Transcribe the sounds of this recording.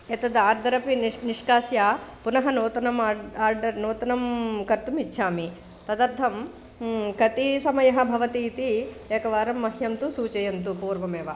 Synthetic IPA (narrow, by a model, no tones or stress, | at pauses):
ɐt̪ɐd̪aːɾd̪ʱɐɾɐpiniʂkaːsjaːpunɐɦɐnoːt̪ɐnɐmːaːɾɖɐɾnoːt̪ɐnɐmkɐɾt̪umitːʃʰaːmi | t̪ɐd̪ɐɾd̪ʱʰɐm | kɐt̪isɐmɐjɐɦɐ̆bʱɐʋɐt̪iːt̪i | eːkɐʋaːɾɐmːɐɦjɐnt̪usuːt͡ʃɐjɐnt̪upuːɾʋɐmeːʋɐ